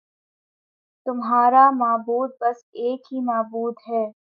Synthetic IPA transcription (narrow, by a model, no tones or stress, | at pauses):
t̪ʊmɦaːɾamaːbuːd̪̚bɐseːkɦimaːbuːd̪ɦɛː